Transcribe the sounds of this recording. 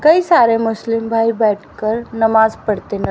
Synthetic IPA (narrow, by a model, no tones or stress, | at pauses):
kəisaɾemʊslimbʱajbɛʈʰkəɾnəmad͡zpəɽt̪enə